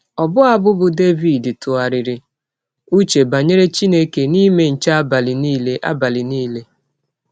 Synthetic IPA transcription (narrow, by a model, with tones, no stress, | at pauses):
ɔ˨bʊ˦a˦bʊ˦bʊ˦de˦vi˨dtʊ˨a˨ɾɪ˨ɾɪ˨ | u˦t͡ʃe˨ba˨ɲe˦ɾe˦t͡ʃi˦ne˦ke˨ni˦me˦n̩˨t͡ʃa˦ba˨lɪ˨niː˦le˦ʔa̰˦ba˨lɪ˨niː˦le˦